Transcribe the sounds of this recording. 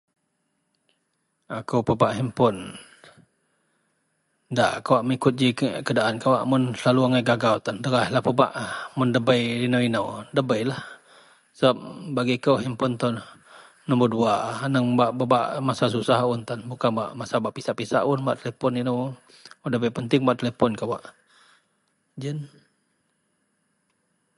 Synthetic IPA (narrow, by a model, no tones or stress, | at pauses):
akəwpəbaʔɦimpʊn | da̰ʔkawaʔməŋikʊt̪̚d͡ʒikədaʔankawaʔmʊnslaluaŋajɡaɡawt̪andəɾahlahpəba̰ʔmʊndəbəjinəwinəwdəbəjlah | səbap̚baɡikəwɦimpɔnt̪ɔn | nɔmbəduanəŋbaʔbəba̰ʔmasasusahʊnt̪anbukanba̰ʔmasabaʔpisaʔpisa̰ʔʊnba̰ʔt̪əlepɔninəw | dəbəjpənt̪ɪŋbaʔt̪əlepɔnkawaʔ | d͡ʒən